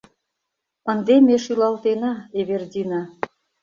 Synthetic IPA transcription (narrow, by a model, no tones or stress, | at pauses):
ə̆nd̪emeʃylɑlt̪enɑeβerdʲinɑ